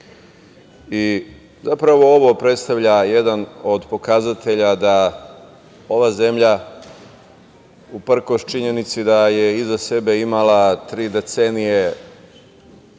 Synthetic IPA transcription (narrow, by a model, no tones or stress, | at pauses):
i | zapɾaʋo̞oʋo̞pɾe̞t̪st̪aʋʎaje̞d̪ano̞d̪po̞kazat̪e̞ʎad̪a | o̞ʋaze̞mʎa | upr̩ko̞ʃt͡ʃiɲe̞nit̪sid̪aje̞izase̞be̞imalat̪ɾiːd̪e̞t̪senije̞